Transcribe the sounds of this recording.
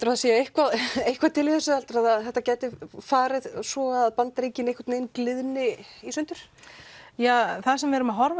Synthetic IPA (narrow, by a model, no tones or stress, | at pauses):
t̪ʏɾaðaseːjaejhkvaðejhkvaðt̪ʰɪlɪθɛsʏalt̪ʏɾaðaðθɛht̪acɛːjt̪ɪfaːɾɪðsvɔaðpant̪ɾejcɪnejhkvaɾt̪nejnklɪðnɪisʏnt̪ʏɾ̥ | jaːθaðsɛmvɛɾʏmaɦɔɾva